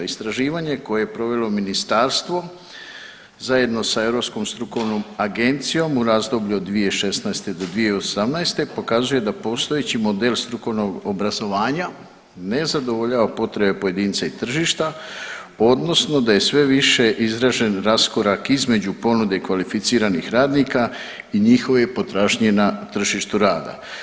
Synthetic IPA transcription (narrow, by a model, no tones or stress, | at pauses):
ist̪ɾaʒiːʋaɲe̞ko̞je̞jepɾo̞ʋe̞lo̞minist̪aɾst̪ʋo̞ | zaje̞d̪no̞sae̞vɾo̞psko̞mst̪ɾuko̞ʋno̞maɡe̞nt̪sijo̞muɾaːzd̪o̞bʎuod̪ːʋije̞ʃe̞snaest̪e̞d̪o̞d̪ʋie̞osamnaest̪e̞po̞kazuje̞d̪apo̞st̪o̞jet͡ɕimo̞d̪e̞lst̪ɾuko̞ʋno̞ɡobɾazo̞ʋaːɲa | ne̞zad̪o̞ʋoʎaːʋapo̞t̪ɾe̞be̞po̞je̞d̪iːnt̪sait̪r̩ʒiːʃt̪a | o̞d̪no̞sno̞d̪aje̞sʋe̞ʋiʃe̞ʔizɾaːʒe̞nɾasko̞ɾakizme̞d͡ʑupo̞nud̪e̞ikʋalifit̪siːɾanixɾaːd̪niːka | iɲixo̞ʋjepo̞t̪ɾaːʒɲenat̪r̩ʒiʃt̪uɾaːd̪a̰